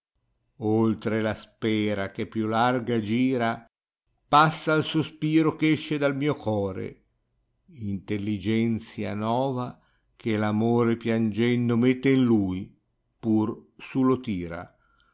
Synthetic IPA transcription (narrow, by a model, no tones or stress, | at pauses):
olt̪ɾelaspɛːɾak̟epːjulːarɡad͡ʒiːɾa | pasːaːlsospiːɾokɛʃːed̪almiːokɔːɾḛ | int̪elːid͡ʒɛnt̪sja̰nɔːva | kʰelamoːɾepjand͡ʒɛnd̪omet̪ːeinluj | pursulot̪iːɾa̰